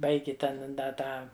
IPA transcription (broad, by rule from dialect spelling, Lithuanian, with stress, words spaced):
ˈbɐɪɡʲɪ ˈtʲɛn ˈdɐ ˈtɑː